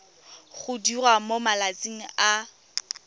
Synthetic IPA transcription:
ɣʊdirwamomalat͡sʼiŋ̩a

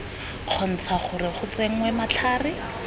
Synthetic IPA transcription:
q͡χʰɔn̩t͡sʰaχʊrɪχʊt͡seŋ̩wɛmat͡ɬʰaːrɪ

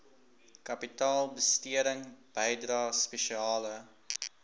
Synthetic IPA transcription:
kɐpitɑːlˠbəstiəɾəŋb̥əjdrɑːspɛʃiɑːlə

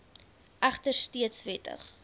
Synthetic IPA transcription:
ʔæχtərstiətsvɛtə̰χ

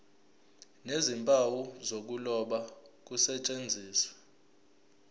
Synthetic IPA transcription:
nezimpʼawuzok̬ulɔɓak̬usɛt͡ʃʼend͡zʱiːsḁ

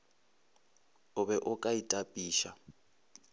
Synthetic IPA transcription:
ʊβɛʔʊkʼaitʼapʼiːʃa

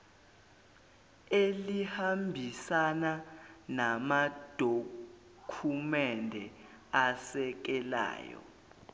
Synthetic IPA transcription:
elihambʱisananamad̥ʱo | kʰumɛndʱɛ | asɛk̬ɛla̰ːjɔ̰

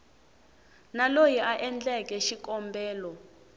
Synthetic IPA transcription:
nalojiʔaʔɛnd͡ɮɛkʼɛʃikʼɔmbɛːlɔ

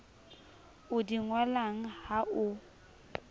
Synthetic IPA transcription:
ʊdiŋwalaŋ̩haʔʊ

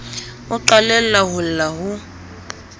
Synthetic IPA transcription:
ʊǃalɛl̩laɦʊl̩laɦʊ

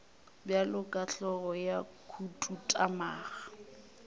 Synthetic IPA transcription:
bjalʊkʼaɬɔɣɔja | kʰutʼutʼamaːɣa

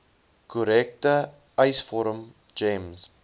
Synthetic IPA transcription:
kʰɔɾɛk̚tə | ɐjsfɔɾəm | d͡ʒẽms

